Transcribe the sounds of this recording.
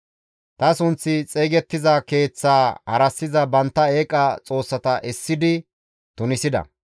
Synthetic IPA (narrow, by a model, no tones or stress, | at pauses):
t̪ɐsʊnt͡sːɪt͡sʼeːɡɛt̪ːɪzɐke̞ːt͡sːaːhɐ̰ɾɐsːɪzɐbɐnt̪ːɐe̞ːkʼɐt͡sʼo̞ːsːɐt̪ɐʔɛsːɪd̪ɪ | t̪ʊnɪsɪd̪ɐ̰